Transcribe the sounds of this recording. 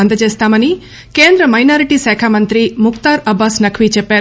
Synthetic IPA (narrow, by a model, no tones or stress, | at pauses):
ɐnd̪ɐd͡ʒest̪aːmɐni | keːnd̪ɾɐmɐjnaːɾiʈisɛːkʰaːmɐnt̪ɾimʊkt̪aːɾɐbasnɐkʰʋiːt͡ʃepe